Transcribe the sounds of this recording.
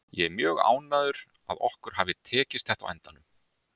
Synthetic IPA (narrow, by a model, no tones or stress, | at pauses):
jɛɛɾmjœːɣa̰ːwnaðʏɾ | a̰ðɔ̰hkʏɾ̥haːvɪt̪ʰɛːcɪst̪θɛht̪a̰wɛ̰nt̪anʏm